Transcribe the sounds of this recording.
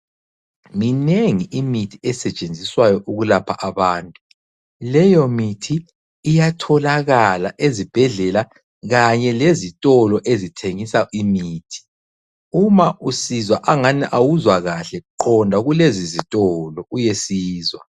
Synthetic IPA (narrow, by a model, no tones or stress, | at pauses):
mineŋiʔimitʰiɛsɛt͡ʃʼend͡zʱiswajɔʔuɣulapʰaʔaβaːntʼu | lɛjɔmitʰiː | jatʰɔlaɣalaʔezib̥ʱɛɮɛla | ɣaɲɛlezitʼɔlɔʔezitʰeŋisaʔimiːtʰi̥ | umaʔusizwaʔaŋaniʔawuzwaɣaɬɛǃʰɔndʱaɣulezizitʼɔlɔujesiːzwa